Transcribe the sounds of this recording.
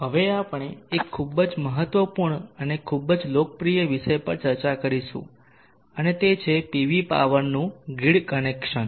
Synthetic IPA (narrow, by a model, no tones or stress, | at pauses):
ɦəʋeapɳ̃eekʰːubəd͡ʒməɦət̪ʋəpuɾɳənekʰːubəd͡ʒlokəpɾijəʋiʃəjpəɾt͡ʃəɾt͡ʃakəɾiʃṵ̃ | ənet̪et͡ʃʰepiʋipa̰ʋəɾnũɡiɽkənekʃən